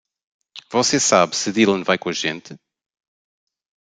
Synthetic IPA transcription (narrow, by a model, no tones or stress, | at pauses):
vɔsesaβsɨðilˠɐ̃nvajkõɐʒẽnt̪ɨ